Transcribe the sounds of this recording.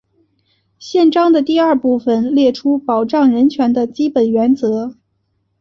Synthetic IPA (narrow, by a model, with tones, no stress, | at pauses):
ɕjɛ˥˧nʈ͡ʂɑ˥ŋd̪ə˨t̪i˥˧a˞˥˧pu˥˩fə˨˩nljɛ˥˩ʈ͡ʂʰu˥pɑ˨˩ʊʈ͡ʂɑ˥˩ŋɻə˧˥nt͡ɕʰɥɛ˧˥nd̪ə˧t͡ɕi˥pə˨˩nɥɛ˧˥nt͡sɤ˧˥